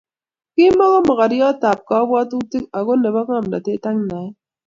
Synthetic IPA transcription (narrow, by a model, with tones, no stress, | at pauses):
kɪ˦mɔ˦ɣɔ˦mɔ˨ka˨ɾjɔ˦ta˨p̚kɔ˨˦bwɔ˦tu˦ti˦ka˨ɡo˦ne˨bɔ˦ŋa˦˨mda˨te˦ta˦ŋ˦na˨ɛ˦